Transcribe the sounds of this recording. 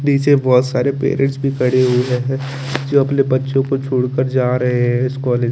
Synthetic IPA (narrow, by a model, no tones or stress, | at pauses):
d̪iːt͡ʃebɔːt̪saːɾepḛːɾẽɳʈsbʱikʰɐɽeɦueɦɛ̃ | d͡ʒoːɐpnebɐtːʃõkot͡ʃʰuːɽkəɾd͡ʒaːɾɐɦeɦɛ̃ɪskɔːleːd͡ʒ